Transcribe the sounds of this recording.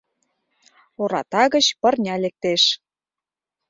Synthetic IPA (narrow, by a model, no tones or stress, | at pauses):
oɾɑt̪ɑɣə̆t͡ɕpə̆rnʲɑlek̚t̪eʃ